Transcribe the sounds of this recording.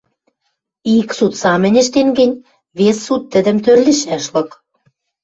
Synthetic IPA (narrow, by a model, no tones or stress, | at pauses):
iksut̪sɑmɘ̆nʲɘ̆ʃt̪enɡɘ̆nʲ | βesːut̪ːə̆d̪ə̆mt̪ørliʃæʃlɤ̆k